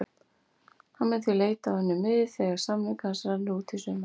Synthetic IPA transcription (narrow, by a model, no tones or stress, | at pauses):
hanmɛnθileːjt̪awhɛnːʏmːɪðɪθɛɣaɾ̥samlɪkansɾanuːt̪ʰisʏma